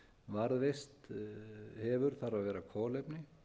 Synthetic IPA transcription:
vaɾðvejst̪ | hɛvʏɾ̥θaɾavɛːɾakʰɔːlejpnɪ

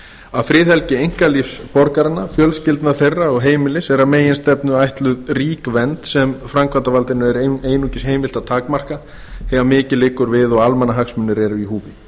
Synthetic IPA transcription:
aðfɾɪːðhɛlcɪejŋ̥kalifspɔɾkaɾɪnːafjœlscɪlt̪naθejrːaɔɣɦeːjmɪlɪsɛɾameːjɪnst̪ɛpnʏajht̪lʏðriːkvɛnt̪sɛmfɾaŋkʰvant̪avalt̪ɪnʏɛɾeːjnuːcɪsheːjmɪl̥t̪at̪ʰaːkmar̥ka | hɛvamɪːcɪlɪːkʏɾvɪðɔɣalmɛnaɦaksmʏnːɪɾɛɾʏiɦuːvɪ

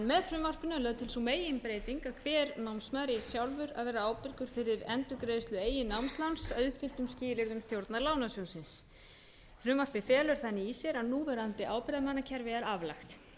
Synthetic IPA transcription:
nmɛðfɾʏːmvar̥pɪnʏlœːðt̪ʰɪlsumeːjɪnpɾeːjt̪iŋkaðkʰvɛːɾnawmsmaðɾɪi̥sjawlvʏɾa̰ðvɛːɾaaːwpɪɾkʏɾ̥fɪɾɪɾɛnt̪ʏkɾeːðɪst̪lʏeːjɪnawmst̪lansawʏhpfɪl̥t̪ʏmsciːlɪɾðʏmst̪jowɾt̪naɾlaːwnasjownsɪns | fɾʏːmvar̥pɪfɛːlʏɾ̥θanːɪisjɛɾaðnuːvɛɾant̪ɪʔaːwpɪɾðamanːacʰɛɾvɪaɾavlaxt̪

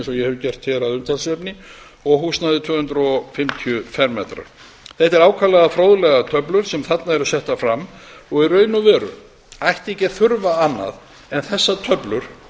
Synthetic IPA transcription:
nsɔjɛhɛvʏcɛr̥t̪hɛɾaðʏnt̪ansɛpnɪ | ɔɣɦuːsnaðɪt̪ʰvʏːhʏnt̪ɾɔfɪmt̪ʰiʏfɛɾmɛːt̪ɾa̰ɾ̥ | θɛht̪ɛɾaːwkʰalaðafɾowðʏlɛɣat̪ʰœplʏɾ̥sɛmθat̪naɛɾʏsɛht̪afɾamːɔɣiɾœːɥnʏvɛːɾʏ̰ | ajht̪ehcɪ̥θʏɾvaanːa̰ð | ɛnθɛsːat̪ʰœplʏɾ̥

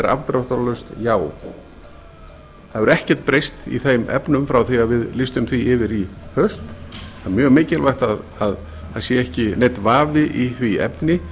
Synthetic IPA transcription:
ɾa̰vt̪ɾawht̪alœst̪jaːw | θaðvɛɾɛhcɛɾ̥t̪̚pɾejst̪ḭθejmʔɛ̰pnʏmfɾawθiavɪðlɪst̪ʏmθviɪvɪɾihœst̪amjœːɣmɪːcɪlvajxt̪aðað | haðsjɛɛhcɪnejt̪vaːvɪʔiθviɛ̰pnɪ

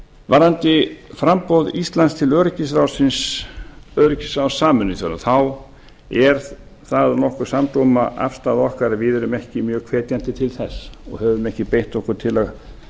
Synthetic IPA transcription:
vaɾant̪ɪfɾampowðist̪lanst̪ʰɪlœːɾʏcɪs̬ɾawsɪns | œːɾɪcɪsɾawsaːmʏnːɪθjana̰θaw | ɛɾ̥ | θaðnɔhkʏɾ̥samt̪omaʔa̰fst̪aːðɔhkaɾavɪðɛɾʏmɛhcɪmjœːɣkʰvɛːt̪jan̥t̪ɪt̪ʰɪlθɛsːɔ̰ɣhɛvʏmɛhcɪpejht̪ɔhkʏɾ̥t̪ʰɪlaɣ

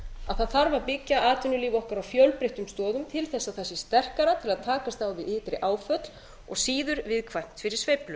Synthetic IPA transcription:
aðθaðθaɾvaɾpɪcːaʔaːt̪ʏnʏliːvɔhkaɾawfjœwlpɾeht̪ʏmst̪ɔːðʏmt̪ʰɪlθɛsːaθɛsːɪst̪ɛr̥kaɾat̪ʰɪlaðt̪ʰaːkast̪awvɪðɪːt̪ɾɪʔaːwfœt̪l | ɔ̰ɣsiːðʏɾvɪðkʰvajm̥t̪fɪɾɪɾ̥svejplʏ

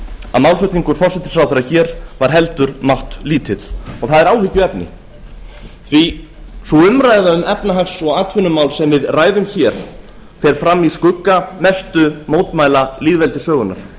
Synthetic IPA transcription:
aðmaːwlfʏt̪iŋkʏɾ̥fɔrsɛt̪ɪ̥sawθɛɾaçɛːɾvaɾ̥ɦɛlt̪ʏɾmawht̪liːt̪ʰɪt̪ɔɣθaðɛɾaːwhɪcːʏɛpnɪ̰ | θvi | sɔʏmɾaːjðaʏmɛpnaɦaksɔɣaːt̪ʰfʏnːʏmawlsɛmvɪðraːjðʏmçɛɾ̥ | θɛɾ̥fɾamːiskʏkːamɛst̪ʏmoːwt̪maːjlaliːðvɛlt̪ɪsœːɣʏnːa̰ɾ̥

